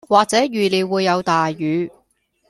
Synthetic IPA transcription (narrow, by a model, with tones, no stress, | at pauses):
waː˨k̚t͡sɛː˨˥jyː˨li˨˧wuː˨˧jːɐ˨˧wt̪aː˨jːyː˨˧